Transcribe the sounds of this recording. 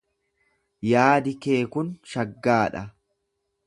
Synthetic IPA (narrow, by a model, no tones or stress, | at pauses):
jaːd̪ɪke̞ːkʊnʃɐɡːaːᶑɐ